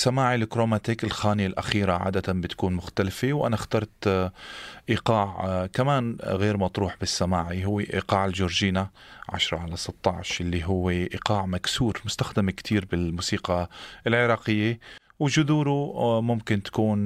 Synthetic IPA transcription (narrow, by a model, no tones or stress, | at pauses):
samaːʕilɪkɾoːmat̪ikɪlxaːnɪjalʔa̰xiːɾaʕa̰ːd̪at̪anbɪt̪kuːnmʊxt̪alfewʔa̰naxt̪ɑɾˤt̪ | ʔiqɑːʕkamaːnɣeːɾmɑt̪ˤɾuːħbɪsːamaːʕiɦʊwːeʔḭːqɑːʕɪlʒʊɾʒiːnaʕa̰ʃɾˤɑʕalasɨt̪ˤːɑʕʃʔɪlːiɦʊwːeʔiqɑːʕmaksuːɾmʊst̪axd̪amɪkt̪ʰiːɾbɪlmuːsiːqɑʔɪlʕɪɾˤɑːqɪjːe | wʒʊðuːɾumʊmkɪnt̪ḁkuːn